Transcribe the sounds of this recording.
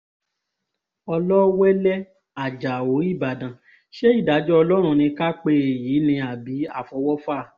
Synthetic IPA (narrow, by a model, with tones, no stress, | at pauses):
ɔ˧lɔ˦wɛ˦lɛ˦ | a˨d͡ʒa˨o˨˦i˦˨ba˨dã˨ | ʃe˦i˦˨da˨˦d͡ʒɔ˦ɔ˧lɔ˦ɾ̃ũ˧˨nĩ˧ka˦k͡pe˧e˨jiː˨˦nĩ˧a˨bi˨˦a̰˦˨fɔ˧˦wɔ˦fa˦˨